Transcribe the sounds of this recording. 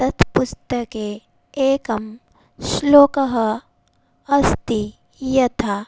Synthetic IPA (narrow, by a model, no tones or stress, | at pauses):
t̪ɐt̪ʰpʊst̪ɐke | eːkɐm | sloːkɐɦɐ | ɐst̪i | jɐt̪ʰa